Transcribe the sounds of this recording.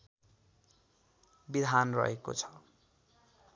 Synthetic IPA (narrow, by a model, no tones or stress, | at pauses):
bid̪ʱanrʌ̰ɦeko̰t͡sʰʌ̥